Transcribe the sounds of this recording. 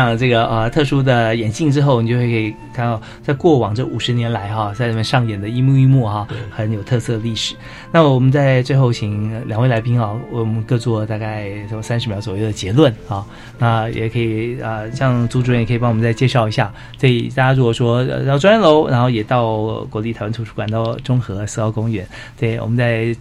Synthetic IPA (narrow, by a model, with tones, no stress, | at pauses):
ɕɑ˥˧ŋʈ͡ʂɤ˥˩ɡə˩ʔə˧t̪ʰɤ˥˩ʂu˥d̪ə˨jɛ˨˩nt͡ɕi˥˩˧ŋʈ͡ʂɻ̩˥xo˥˩ʊn˨t͡ɕo˥˧xwe˥˧˥i˨˩kʰa˥˧nɑ˥˩ | t͡sa˥˧ɪkwɔ˥˩wɑ˨˩ŋʈ͡ʂɤ˥˩u˨˩ʂɻ̩˧˥njɛ˧˥nla˧˥ɪxɑ˥˧t͡sa˥˧ɪna˥˩mə˧nʂɑ˥˩ŋjɛ˨˩nd̪ə˦i˥mu˥˧i˥˧mu˥˩xɑ˥˩xə˧˥njo˨˩ʊt̪ʰɤ˥˧sɤ˥˧ə˧li˥˩ʂɻ̩˨˩˦ | na˥˩wɔ˨˩mə˦nt͡sa˥˧ɪt͡swe˥˧ɪxo˥˩ʊt͡ɕʰi˨˩ŋ˧ljŋwe˥˩ɪla˧˥pi˥ŋɑ˥˧wwɔ˨˩mə˧˦nkɤ˥˧t͡swɔ˥˩t̪a˥˧ka˥˩ɪ˥sa˥nʂ̬ɻ̩˧mjɑ˧˥ʊt͡swɔ˨˩jo˥˩ʊd̪ə˩t͡ɕjɛ˧˥lwə˥˩nɑ˥˩ | na˥˩jɛ̰˨˩kʰɤ˧˥i˨˩ə˧ɕjɑ˥˧ŋt͡su˥ʈ͡ʂu˧˥˩kʰɤ˧˥i˨˩pɑ˥wɔ˨m˧n˥t͡sa˥˧ɪt͡ɕjɛ˥˧ʂɑ˥˩ʊi˧˥ɕja̰˥˩ | se˧˥˩ḭ˨˩t̪a˥˩t͡ɕja˥ɻu˧˥kɔ˨˩ʂwɔ˥ə̰˧t̪ɑ˥˩ʊʈ͡ʂwnɻə˧˥nlo˧˥ʊɻa̰˧˥nxo˥˩ʊjɛ˨˩t̪ɑ˥˩ʊkwɔ˧˥li˥˩˧ɪwnʰu˧˥ʈ͡ʂʰu˥kwa˨˩nt̪ɑ˥˩ʊʈ͡ʂʊ˥ŋxɤ˧˥sɹ̩˥˧kɑ˧˥ʊkʊ˥ŋɥɛ̰˧˥n | t̪we˥˩ɪwɔ̰˨˩mə˦nt͡sa˥˧ɪ